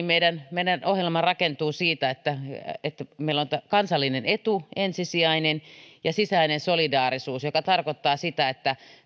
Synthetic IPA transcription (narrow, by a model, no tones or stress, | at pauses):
meidænmeidænohjelmɑrɑkent̪uːsiːt̪æet̪ːæet̪ːmeilont̪kɑnsɑlːinenet̪uensisiæinenjɑsisæinensolidɑːrisuːsjokɑt̪ɑrkot̪ːɑːsit̪æet̪ːæ